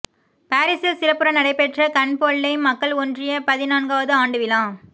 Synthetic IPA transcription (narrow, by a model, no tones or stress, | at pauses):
paːɾɪsɐsɪɾɐpːɯɾɐnɐɽɐɪpːɛʈrɐkɐnpoɭːɐɪmːɐkːɐɭɔndrɪjɐpɐðɪnaːnɡaːʋɐðɯaːɳɖɯʋɪlãː